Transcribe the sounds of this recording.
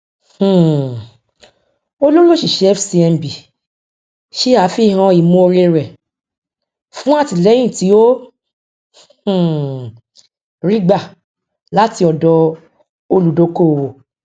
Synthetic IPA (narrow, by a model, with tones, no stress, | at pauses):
h̩˨ | o˦lo˦lo˦ʃi˨ʃɛ˧˦fsi˧ɛ˧m˨bi˨ | ʃe˦a˨˦fi˦˨ɦã˧i˨mõ˧˦o˧ɾe˧ɾɛ˨ | fũ˦a˦˨ti˨lɛ˨˦j̃ĩ˦˨ti˨˦o˦˨ | ɾi˦ɡ͡ba˦˨ | la˨˦ti˧ɔ˨dɔ˧ | o˧lu˨do˨˦ko˦˨wo˨